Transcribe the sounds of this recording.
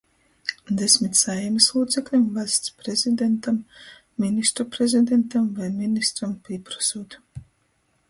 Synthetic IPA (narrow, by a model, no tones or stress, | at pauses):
d̪esʲmʲit̪ʲsajɛmislˠuːt̪seklʲimvast̪spɾezʲid̪ent̪amː | inist̪ɾupɾezʲid̪ent̪amvajminist̪ɾampʲiɛpɾḁsuːt̪